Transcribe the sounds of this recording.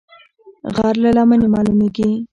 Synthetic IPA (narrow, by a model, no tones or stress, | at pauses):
ɣɑɾlalɑmənemɑlumeɡi